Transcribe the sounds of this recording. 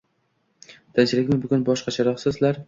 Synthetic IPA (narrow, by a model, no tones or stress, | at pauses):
d̪̥ant͡ʃʰɪlɪkʲmɪbʊɡʲʊnbɒʃqɑt͡ʃʰaɾɒχsɪzlaɾ